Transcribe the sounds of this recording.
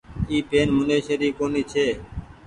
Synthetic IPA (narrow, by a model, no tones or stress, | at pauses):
iːpeːnmʊneːʃeːɾiːkoːniːt͡ʃʰeː